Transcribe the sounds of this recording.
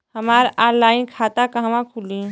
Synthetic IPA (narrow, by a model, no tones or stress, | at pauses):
həmaɾalaɪnkʰat̪akəɦʋãkʰuli